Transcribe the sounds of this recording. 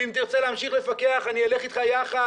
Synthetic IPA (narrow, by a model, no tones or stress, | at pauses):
imt̪iʁt͡seleamʃiχle̞fakeaχaniale̞χit̪χajaχa